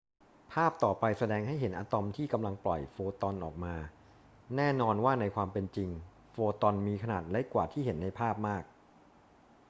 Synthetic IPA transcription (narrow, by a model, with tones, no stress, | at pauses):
pʰaː˥˩p̚t̪ɔː˨˩pa˧jsa˧dɛː˧ŋɦa˥˩jɦe˩˦nʔaː˧t̪ɔ˧mt̪ʰiː˥˩ka˧mla˧ŋplɔ˨˩jfoː˧t̪ɔ˧nʔɔ̰ː˨˩k̚maː˧ | nɛː˥˩nɔː˧nwaː˥˩na˧jkʰwaː˧mpe˧nt͡ɕi˧ŋ | foː˧t̪ɔ˧nmiː˧kʰa˧naː˨˩t̪̚lɛ˦˥kwaː˨˩t̪ʰiː˥˩he˩˦nːa˧jpʰaː˥˩p̚maː˥˩k̚